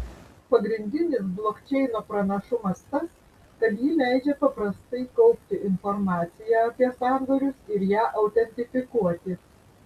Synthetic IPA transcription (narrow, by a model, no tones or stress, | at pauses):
pɐɡɾʲɪnʲd̪ʲɪnʲɪsblˠoːkt͡ʃʲɛɪnoːpɾɐnɐʃʊmɐst̪ɐs | kɐt̪jiːlʲæˑɪd͡ʒʲɛpɐpɾɐst̪ɐɪkɒʊpʲt̪ʲɪʔɪnfɔɾmɑːt̪sʲɪjæɐpʲiɛsɑɾd̪oɾʲʊsɪɾjæːʔɐʊt̪ʲɛnʲt̪ʲɪfʲɪkuɔt̪ʲɪ